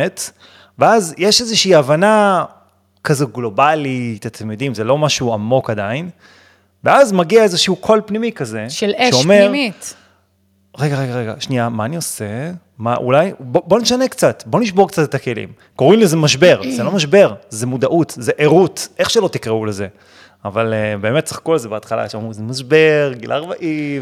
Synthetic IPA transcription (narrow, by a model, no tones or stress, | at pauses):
et | veazjeʃezeʃiːavana | kazoɡlo̞balit̪at̪ʰemjod̪imzelo̞maʃuamo̞kad̪ain | veazmaɡiaezeʃiukʰo̞lpnimikaze̞ʃlʃeome̞ʁi | ʁeɡaʁeɡaʁeɡa̰ʃniamaːnio̞se | maʔṵlajbobo̞neʃanekt͡sat̪bo̞niʃbo̞kt͡sat̪et̪ake̞lḭm | ko̞ʁimlezemaʃ̬be̞ʁzelo̞maʃbe̞ʁzemud̪aʔut̪zeʔeʁutʔe̞χʃelo̞t̪ikʁeuleze | avalebe̞ːmet̚t͡sḁχkolzebeat̪χala̰ʃeamʁizemaʃbe̞ʁɡilʔaːʁbaʔiv